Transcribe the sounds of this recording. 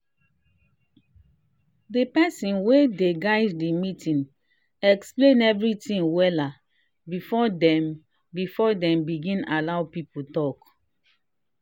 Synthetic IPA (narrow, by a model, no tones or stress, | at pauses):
depɛsĩnwedeɡaɪddimitʰĩn | ɛksplẽnɛvɹitĩŋwɛla | bifɔdɛm | bifɔdɛ̃mbiɡĩnalaʊpiputɔk